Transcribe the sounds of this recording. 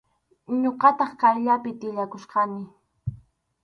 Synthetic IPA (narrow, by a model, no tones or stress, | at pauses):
ɲoqɑt̪ɑχkaɾʎapɪt̪ɪʎakosqɑnɪ